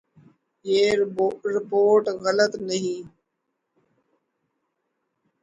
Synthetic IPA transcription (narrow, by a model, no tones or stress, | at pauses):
jeːɾɪpoːɾʈɣələt̪nəɦĩː